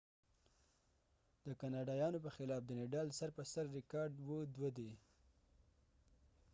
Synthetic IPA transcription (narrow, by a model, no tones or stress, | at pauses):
d̪əkanɑɖɑjɑnopəxɪlɑp̚d̪əneɖɑlsaɾpəsaɾːɪkɑɾɖwəd̪wəd̪e